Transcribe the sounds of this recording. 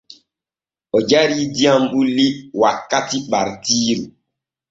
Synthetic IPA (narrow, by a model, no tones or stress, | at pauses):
ɔd͡ʒaɾidiãmɓuliwakːatiɓaɾtiːɾu